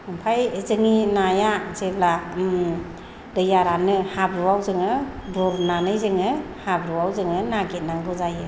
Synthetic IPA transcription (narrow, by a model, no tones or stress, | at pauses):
ɯmpʰajzɯŋinajazeblam | dɯjaɾanɯhabɾuwawzɯŋɯbɔɾnanɯjzɯŋɯhabɾuwawzɯŋɯnaɡet̚naŋɡɯzajɯ